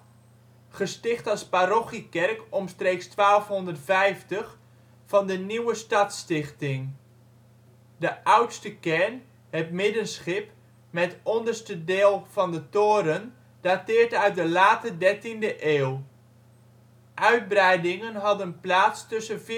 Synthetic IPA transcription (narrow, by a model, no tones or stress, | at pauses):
χəstɪχtɑsparoχikɛrkɔmstreːkstʋaːlˠfɦɔndərtfɛjftəχ | fɑndəniwəstɑtstɪχtɪŋ | dəʔʌwtstəkɛɹn | ətmɪdənsχɪp | mɛtɔndərstədeːlˠv̥ɑndətoːɾən | d̥atɪːɹtœɥt̚dəlaːtədɛɹtindəʔeːw | ʔœɥd̚brɛjdɪŋənɦɑdənplaːtstɵsənv